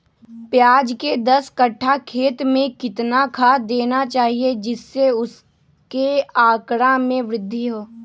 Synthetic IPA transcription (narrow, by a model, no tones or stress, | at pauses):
pjaːd͡ʒked̪ɐskɐʈʰːakʰeːt̪mẽkɪt̪nakʰad̪eːnat͡ʃaːɦied͡ʒɪsːeʊs | keaːkɽamẽʋɾɪd̪ʱːiɦoː